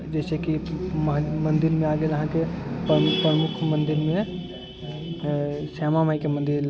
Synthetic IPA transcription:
d͡ʒɛːseki | mə̃nd̪ɪɾmẽaːɡeləɦãkeppɾəmʊkʰmə̃nd̪ɪɾmẽ | sɛːmamaikemə̃nd̪ɪɾ

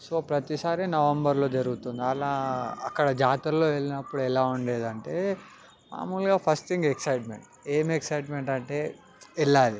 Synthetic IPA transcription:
so̞ːpɾɐt̪isaːɾinɐʋɐmbɐɾlo̞ːd͡ʒɐɾuɡut̪und̪iɐlaːɐkːɐɽɐd͡ʒaːt̪ɐɾɐlo̞ːʋeɭinɐpːuɽuɛlaːuɳɖe̞ːd̪ɐɳʈe̞ː | ma̰ːmulɡaːpʰɐsʈt̪ʰiŋɡeksɐjʈmḛɳʈ̚ | eːmeksɐjʈme̞ɳʈɐɳʈe̞ː | ilːaːli

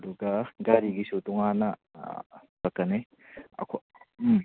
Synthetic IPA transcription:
duɡɐɡaɾiɡisutuŋanɐ | bɐkːɐne | ɐ̰kʰo

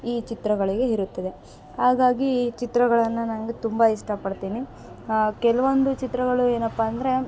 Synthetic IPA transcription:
iːt͡ʃit̪ɾɐɡɐɭiɡe̞iɾut̪ːɐd̪e̞ | ɦaːɡaːɡit͡ʃit̪ɾɐɡɐɭɐnːɐnanɐɡet̪umbɐiʂʈɐpɐɽt̪iːni | kɛlɐʋond̪ut͡ʃit̪ɾɐɡɐɭueːnɐpːaːnd̪ɐɾe̞

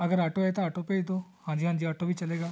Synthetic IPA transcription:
ɐɡəɾaːʈoɛt̪oaːʈopeit̪oːhãːɲd͡ʒiɦãːɲd͡ʒiaːʈobʱit͡ʃɐleːɡaː

